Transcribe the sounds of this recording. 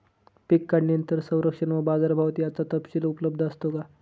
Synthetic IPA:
pikːaɽnjənt̪əɾsə̃w̃ɾəkʂəɳʋəbad͡zaɾbʱaʋt̪iːat͡sat̪əpɕilupələb̚d̪ʱəst̪oka

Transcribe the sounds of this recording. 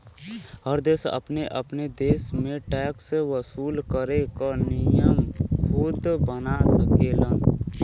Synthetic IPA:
ɦəɾd̪eːsə̰pneʔəpned̪eːsmẽʈɛːksʋəsuːlkəɾekənɪjəmkʰʊt̪bənasəkeːlən

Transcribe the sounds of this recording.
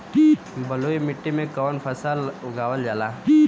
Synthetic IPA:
i | bɐloːimɪʈːimẽkɔːnfʰɐsalʊɡaːʋəld͡ʒaːlaːi

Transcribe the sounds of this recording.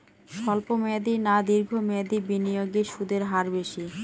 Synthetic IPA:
ʃɔlpomed̪inad̪iɾɡʱomɛd̪ibinijoɡeʃud̪eɾɦaɾbeʃi

